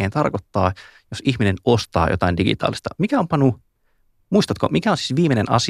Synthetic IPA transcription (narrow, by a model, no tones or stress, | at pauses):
eːnt̪ɑrkot̪ːɑː | josiçminenost̪ɑ̰ːjo̰t̪ɑindiɡḭt̪ɑ̰ːlist̪ɑmikæo̞mpɑnu | muist̪ɑt̪komʔikæonsi̥ːʋiːmenenɑ̰s